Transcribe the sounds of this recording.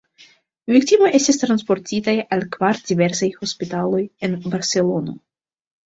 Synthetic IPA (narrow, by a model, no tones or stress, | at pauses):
viktimoje̞stistɾanspo̞ɾtitajalkvaɾdive̞ɾsajho̞spitalo̞je̞nbaɾse̞lo̞no̞̰